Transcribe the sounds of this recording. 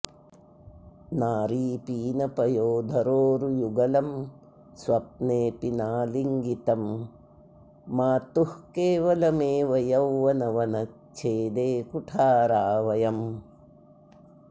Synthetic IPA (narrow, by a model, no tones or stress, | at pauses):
naːɾiːpiːnɐpɐjoːd̪ʱɐɾoːɾujuɡɐlɐm | sʋɐp̚neːpinaːliŋɡit̪ɐm | aːt̪uhkeːʋɐlɐmeːʋɐjɐwːɐnɐʋɐnɐ | t͡ʃʰeːd̪eːkuʈʰaːɾaːʋɐjɐm